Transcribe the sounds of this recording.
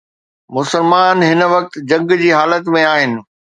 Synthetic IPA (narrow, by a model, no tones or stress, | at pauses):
mʊsəlmaːnɦɪnʋɐk̚t̪d͡ʑɐ̃ŋɡd͡ʑiːɦaːlət̪mẽaːɦɪnɪ̆